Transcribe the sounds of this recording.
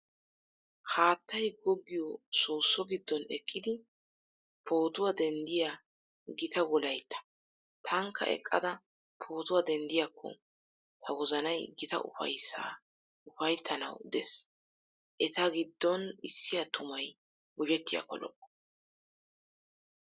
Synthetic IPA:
haːt̪ːɐjɡɔɡːɪjɔsoːsːɔɡɪd̪ːɔnɛkʼːɪd̪ɪ | pʰo̞ːt̪ʊwad̪ɛnd̪ɪja | ɡɪt̪ɐwɔlɐjt̪ːɐ̥ | t̪ʰɐŋkʰːɐ̰ʔɛ̰kʼːɐd̪ɐ | pʰo̞ːt̪ʊwad̪ɛnd̪ɪjakʰːɔ̰ | t̪ʰɐwɔzɐnɐjɡɪt̪ɐ̰ʔʊ̰fɐ̰jsa̰ | ʊfɐjt̪ʰːɐnɐ̰wd̪ɛ̰s | ʔɛt̪ɐɡɪd̪ːɔnɪsːɪjɐt̪ʊmɐj | ɡʊd͡ʒɛt̪ːɪja̰kːɔ̰lɔ̰ʔːɔ̥

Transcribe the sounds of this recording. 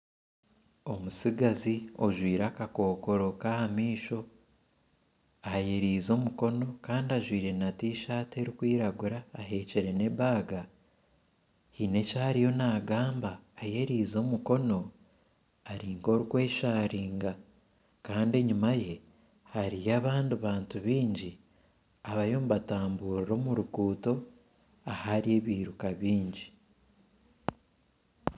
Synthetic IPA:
o̞musiɡazioʒwiːɾakako̞ːko̞ɾo̞kahamiːʃo̞ | aje̞ɾiːzo̞ːmuko̞no̞kaːndaʒwiːɾe̞natiːʃaːte̞ɾikwiːɾaɡuɾaːɦe̞ːceɾe̞ne̞βaːɡa | hine̞cahaɾijo̞naːɡaːmbaːje̞ɾiːzo̞ːmuko̞no̞ | aɾiːŋɡo̞ːɾuɡwe̞ːʃaːɾiːŋɡa | kaːnde̞ɲumaje̞ | haɾijaβaːndiβaːntuβiːɲɟi | aβajo̞ːmuβataːmbuːɾiɾo̞ːmuɾuɡuːto̞ | ahaɾije̞βiːɾukaβiːɲɟi

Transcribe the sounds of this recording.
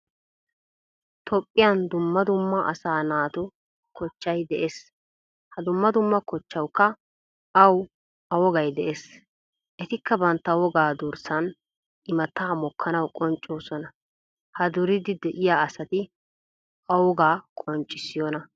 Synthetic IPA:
t̪ʰɔpʼːɪjɐnd̪ʊmːɐd̪ʊmːɐʔɐ̰saːnaːt̪ʊ | kɔt͡ʃːɐjd̪ɛʔeːs | hɐd̪ʊmːɐd̪ʊmːɐkɔt͡ʃːɐwkːɐ | ɐw | ʔɐwɔɡɐjd̪ɛʔes | ʔɛt̪ɪkʰːɐbɐnt̪ːɐwɔɡaːd̪ʊɾsɐn | ɪmɐt̪ːaːmɔkʰːɐnɐwkʼɔnt͡ʃʼːoːsɔnɐ | hɐd̪ʊɾɪd̪ɪd̪ɛʔɪjaːɐsɐt̪ɪ | ɐwɔɡaːkʼɔnt͡ʃʼːɪsɪjɔnɐ

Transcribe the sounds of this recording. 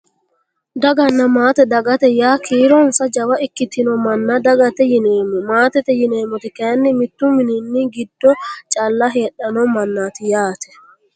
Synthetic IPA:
d̪ɐɡɐnːɐmaːt̪ɛd̪ɐɡɐt̪ɛjaːkʰiːɾɔnsɐd͡ʒɐwɐɪkːɪt̪ːɪnɔmɐnːad̪ɐɡɐt̪ɛjɪneːmɔmaːt̪ɛt̪ɛjɪneːmɔt̪ɪkeːnːɪmɪt̪ːʊmɪninːiɡɪd̪ːɔt͡ʃʼɐlːɐɦeːɗɐnɔmɐnːaːt̪ɪjaːt̪ʰɛ̥

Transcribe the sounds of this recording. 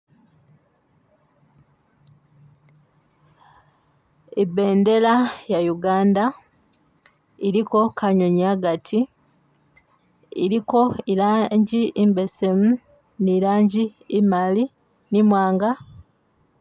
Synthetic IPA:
ebe̞ːnde̞lajajuɡaːnda | iɾiko̞kaɲo̞ɲaɡatʰi | iɾiko̞ilaːɲɟiimbe̞se̞mu | niɾaːɲɟiːmali | nimwaːŋɡa

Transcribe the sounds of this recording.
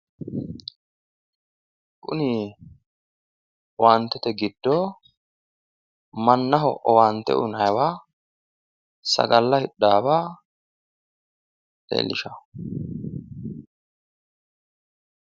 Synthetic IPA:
kʼʊniː | waːnt̪ːɛt̪ɛɡɪd̪ːoː | mɐnːɐɦɔ̰ʔɔwaːnt̪ːɛ̰ʔʊnɐjwaː | sɐ̰ɡɐlːɐhɪɗːaːbaː | t̪ḛːlɪʃɐ

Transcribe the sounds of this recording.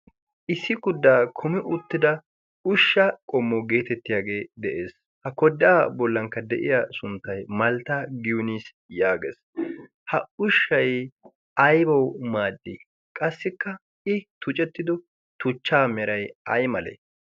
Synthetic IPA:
ʔɪsːɪɡʊd̪ːaːkʰɔmɪʔʊt̪ːɪd̪ɐ | ʊʃːɐkʼɔmːɔwɡe̞ːt̪ɛt̪ːɪjaːɡe̞ːd̪ɛʔe̞ːs | hɐkɔd̪ːaːbɔlːɐŋkːɐd̪ɛʔɪjasʊnt̪ːɐjmɐlt̪aːɡɪjʊniːs | jaːɡḛːs | hɐʊʃːɐj | ɐjbɐwmaːd̪ːɪ | kʼɐsːɪkːɐ | ɪt̪ʊt͡ʃʼɛt̪ːɪd̪ɔ | t̪ʊt͡ʃːaːmɛɾɐjɐjmɐlḛ

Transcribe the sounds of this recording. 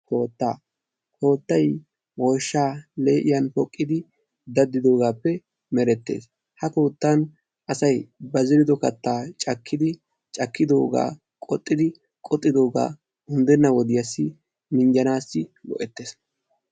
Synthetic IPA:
ko̞ːt̪ːaː | ko̞ːt̪ːɐj | woːʃːaːleːʔɪjɐnpɔkʼːɪd̪ɪ | d̪ɐd̪ːɪd̪o̞ːɡaːpːɛ | mɛɾɛt̪ːḛːs | hɐkoːt̪ːan | ʔɐsɐjbɐzɪɾɪd̪ɔkɐt̪ːaːt͡ʃʼɐkʰːɪd̪ɪ | t͡ʃʼɐkːɪd̪o̞ːɡa̰ː | kʼɔt̪ʼːɪd̪ɪ | kʼɔt̪ʼːɪd̪o̞ːɡa̰ː | hʊnd̪ɛnːɐwɔd̪ɪjɐsːɪ | mɪɲd͡ʒɐnaːsːɪwɔ̰ʔɛt̪ːe̞ːs

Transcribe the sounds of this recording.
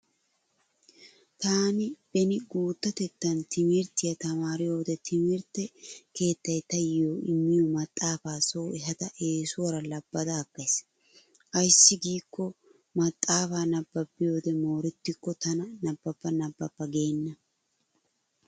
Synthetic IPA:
t̪aːnɪb̥ɛnɪɡuːt̪ːɐt̪ɛt̪ːɐnt̪ʰɪmɪɾt̪ɪjɐt̪ɐmaːɾɪjo̞ːd̪ɛt̪ʰɪmɪɾt̪ɛke̞ːt̪ːɐjt̪ɐjɪjoːʔɪmːɪjɔmɐt̪ʼːaːfaːsoːɛɦɐd̪ɐʔe̞ːsʊwɐɾɐlɐb̥ːɐd̪ɐːkːɐjs | ʔɐjsːɪɡiːkːɔ | mɐt̪ʼːaːfaːnɐbːɐpːɪjo̞ːd̪ɛmoːɾɛt̪ːɪkːɔt̪ɐnɐnɐbːɐpːɐnɐbːɐpːɐɡe̞ːnːɐ

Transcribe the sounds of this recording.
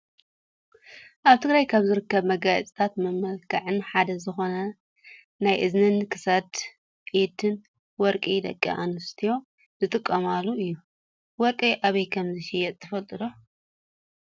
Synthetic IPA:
ʔaβt̪ʰɨɡɾajkʰaβzɨɾɨkːɐβmɐɡaj̰t͡sʼi̥t̪ʰat̪mɐmɐlkʰaʕɨnħad̪ɐzɨxo̞nɐ | najʔɨznɨnkʰɨsɐd̪ | ʔet̪ʰɨn | wɔɾkʼid̪ɐ̰kʼːḭʔa̰nɨst̪ʰijo̞ | zɨt̪ʼɨkʼːɐmalːuɨjːu | wɔɾkʼiʔaβɐjkʰɐmzɨʃɪjɛt̪ʼt̪ʰːɐfɐlt̪ʼɨd̪o̞

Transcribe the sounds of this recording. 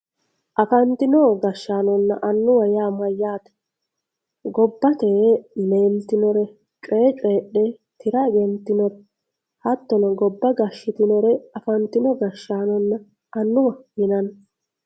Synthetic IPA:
ʔɐfɐnt̪ɪnɔɡɐʃːaːnɔnːɐ̰ʔɐnːʊwɐjaːmɐjːaːt̪ɛ̥ | ɡɔbːɐt̪eːmeːnt̪ɪnɔɾɛ | t͡ʃʼeːt͡ʃʼeːɗɛ | t̪ɪɾɐɡɛnt̪ːɪnɔɾɛ | hɐt̪ːɔnɐɡɔbːɐɡɐʃːɪt̪ɪnɔɾɛɐfɐnt̪ɪnɔɡɐʃːaːnɔnːɐ | ɐnːʊwɐhɪnɐn

